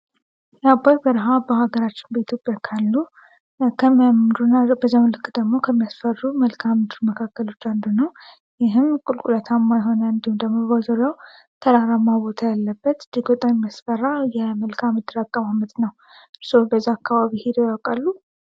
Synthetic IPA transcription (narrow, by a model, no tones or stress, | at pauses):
jabaɾbəɾəɦabəhaɡəɾat͡ʃːɪnbəit̪ʰjo̞pʼjakʰalːu | kʰəmmd̪unabəzːawnlɨkʼːd̪əɡmo̞kʰəmːijasfərːuməlkʰamɨd̪ɨɾməkʰakːəlo̞t͡ʃːand̪unəw | jɪɦɨmkʼulkʼulət̪ʰamːajɦo̞nəɨnd̪iumd̪əmːəβazəɾjaw | t̪ʰəɾaɾamːabo̞t̪ʰajalːəbːət̪d̪iɡot̪ʼaɲmːasfəɾːajɛməlkʰamɨd̪ɨɾakʼːəmamət̪nəw | ɨɾso̞bəzːaːkːaβaβihed̪ojawkʼalːu